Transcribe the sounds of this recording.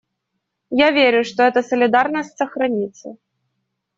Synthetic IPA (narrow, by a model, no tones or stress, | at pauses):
javʲeɾʲʊʂt̪ɔɛt̪əsəlʲɪd̪arnəsʲtʲsəxɾɐnʲit̪sə̰